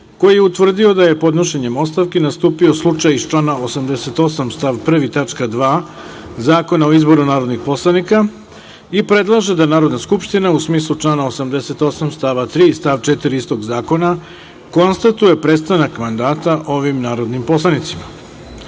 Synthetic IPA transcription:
ko̞jije̞ut̪ʋr̩d̪io̞d̪aje̞po̞d̪no̞ʃe̞ɲe̞mo̞st̪aʋkenast̪uːpio̞slˠut͡ʃajit͡ʃlˠaːnao̞samd̪ese̞t̪o̞samst̪aʋpr̩ʋit̪at͡ʃkad̪ʋaː | zaːko̞nao̞izbo̞ɾunaːɾo̞d̪nixpo̞slanika | ipɾe̞d̪lˠaʒe̞d̪anaːɾo̞d̪naskupʃt̪inausmiːslˠut͡ʂlˠaːnao̞samd̪ese̞t̪o̞samst̪aːʋat̪ɾiːst̪aʋt͡ʃet̪iɾiist̪o̞ɡzaːko̞na | ko̞nst̪at̪uje̞pɾet̪st̪anakmand̪aːt̪aʔo̞ʋimnaːɾo̞d̪nimpo̞slˠanit̪sima

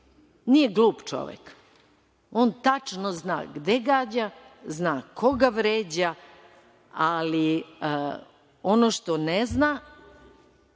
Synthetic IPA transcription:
nijeɡlˠuːpt͡ʃo̞̰ʋḛk | oːnt̪at͡ʃnozna̰ːɡd̪eɡaːd͡ʑaznaːkʰo̞ɡaʋɾeːd͡ʑa | ali | onoʃt̪onezna

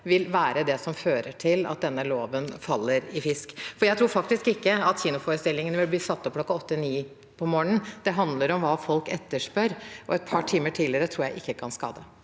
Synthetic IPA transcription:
ʋɪlʋæːɾəd̪ɛsɔmføːɾəʈʰɪlɑ̰t̪̚d̪ɛnːəloːʋənfɑlːəɾɪfɪskfɔɾjæɪt̪ʰɾuːɾfɑk̚t̪ɪskɪkːəɑt̪çiːnʊfoːɾəst̪ɪlːɪŋənəʋɪlbliːsɑt̪ːɔpklɔkːɑɔt̪ːəniː | pʰɔmoːɳənd̪̥ɛɦɑnd̪ləɾɔmʋɑːfɔlkɛt̪ːəʂpœɾʔɔɛt̪̚pʰɑʈʰiːməʈʰiːləɾət̪ʰɾuːɾjæɪʔɪkːəkʰɑnskɑ̰ːd̪ə

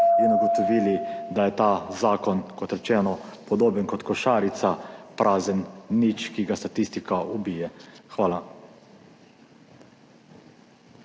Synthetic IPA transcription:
inuɡɔt̪ɔʋiːlid̪ajɛt̪aːzaːkɔnkɔt̪ɾɛt͡ʃɛːnɔpɔd̪oːbənkɔt̪kɔʃaːɾit̪sapɾʔaːzənːit͡ʃkiɡast̪at̪ist̪ikaubiːjɛxʋaːla

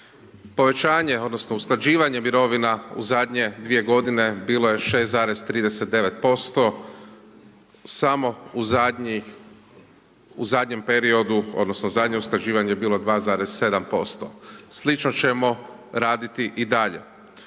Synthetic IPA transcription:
po̞ʋe̞t͡ʃaːɲe̞o̞d̪nosnousklad͡ʑiːʋaɲe̞miɾo̞ʋinaṵzad̪ɲe̞d̪ʋije̞ɡo̞d̪ine̞biːlo̞je̞ʃe̞ːst̪zaːɾe̞zt̪ɾiːd̪eset̪̚d̪e̞ʋe̞t̪̚po̞st̪o̞ | samo̞u | uzad̪ɲe̞mpeɾio̞d̪uo̞̰d̪nosnozad̪ɲe̞usklad͡ʑiːʋaɲejebiːlˠo̞d̪ʋaːzaːɾez̥se̞d̪ampo̞st̪oslit͡ʃnot͡ɕe̞mo̞ | ɾaːd̪it̪iʔid̪aʎe̞̰

